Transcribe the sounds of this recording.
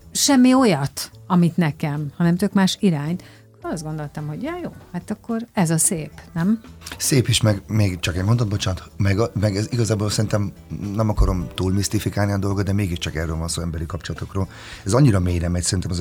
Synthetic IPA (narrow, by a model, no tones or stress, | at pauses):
ʃɛmːio̞jɒt̪ɒmit̪nɛkɛmhɒnɛmt̪økmaːʃiɾaːɲt̪ | koɾɒsd̪ɡo̞nd̪o̞lt̪ɒmho̞ɟjɒːjoːhat̪ɒkːo̞rɛzɒseːpnɛmseːpiʃmɛɡmeːɡt͡ʃɒkɛɟmond̪ɒd̪̚bot͡ʃaːnt̪mɛɡmɛɡɛziɡɒzaːbolsɛɾint̪ɛm | nɛmɒkɒɾo̞mt̪uːlmist̪ifikaːlniɒd̪o̞lɡod̪d̪ɛmeːɡiʃt͡ʃɒkɛrːøːlvɒnsoːɛmbɛɾikɒpt͡ʃolɒt̪o̞kroːl | ɛzɒɲːiɾɒmeːjnɛmːɛcsɛɾint̪ɛmɒz